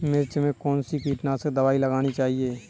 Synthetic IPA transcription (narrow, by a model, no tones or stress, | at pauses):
mɪɾt͡ʃmẽkɔːnsikiːʈnasəd̪ɐʋaːiləɡaːñit͡ʃaːɦieː